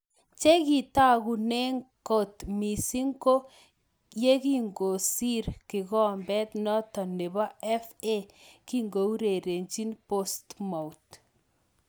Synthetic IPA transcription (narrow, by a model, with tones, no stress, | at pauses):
t͡ʃe˦ki˨ta˦ku˨nɛ˦ŋko˨tmi˨si˦ŋɡo˦ | je˦ki˦ŋɡo˨si˦ɾkɪ˨kɔ˦˨mbɛ˦tnɔ˦tɔ˨ne˨ba˦ɛ˦fe˦ki˦ŋɡo˨u˦ɾe˨ɾe˨ɲt͡ʃi˦npo˦stma˨ut